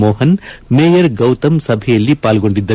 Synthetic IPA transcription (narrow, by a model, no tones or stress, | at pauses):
moːɦɐnmeːjɐɾɡɐwt̪ɐmsɐbʱɛjɐlːipaːlɡo̞ɳɖid̪ːɐ